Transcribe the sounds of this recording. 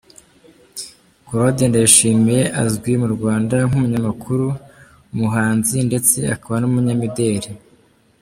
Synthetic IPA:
koɾodendajiʃiːmije̞ʔazɡwimuɾɡwaːndaŋhumuɲamakʰuɾu | muɦaːnzinde̞t͡se̞akaβanumuɲamide̞ːɾe

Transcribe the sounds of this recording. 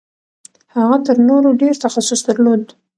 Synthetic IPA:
haɣat̪əɾnoɾoɖeɾt̪axasʊsd̪əɾlod̪

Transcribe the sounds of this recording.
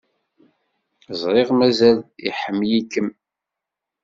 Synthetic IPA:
zˤɾˤeʁmæzælḭħəmːjikːəm

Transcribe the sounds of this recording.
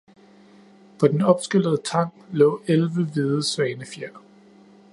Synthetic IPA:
pʰɒ̽d̥enɒ̽b̥sɡ̥øl̰əð̞̩ˠət͡sʰɑ̈ŋ̰lɔ̰̽ːelʋəʋið̞ˠəsʋɛːnəfjæɐ̰

